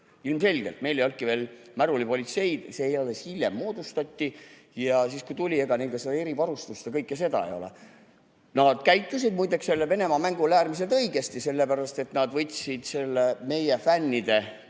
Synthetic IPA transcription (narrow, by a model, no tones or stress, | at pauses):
ilmse̞lʲɡ̥elt̪me̞jlejo̞lkive̞ːlmæɾulipo̞lʲit̪se̞jd̪̥seejolːeshilʲjḛmːo̞ːd̪̥ust̪ɑt̪ʲːi | jɑsiːskujt̪ulʲie̞ɡ̥ɑniŋkɑsed̪ɑeɾivɑɾust̪ust̪ekɤjkːˑese̞d̪ɑ̰ḛjo̞̰l̰ | nɑd̪̥kæjt̪ːˑusid̪̚mujd̪ekse̞lːeve̞nemɑmæŋɡ̥ulæːrmis̬e̞lt̪ɤiɡ̥e̞st̪ise̞lːepæɾɑst̪e̞t̪nɑd̪vɤt̪ʲːsid̪̥se̞lːeme̞jefænːid̪̥e̞